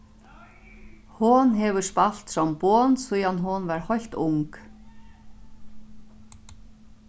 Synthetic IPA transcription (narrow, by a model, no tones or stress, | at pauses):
hʊnɦɛvʏspal̥t̪sɔmpɔːnsujanɦʊnvaɾhɔjl̥t̪ʊŋk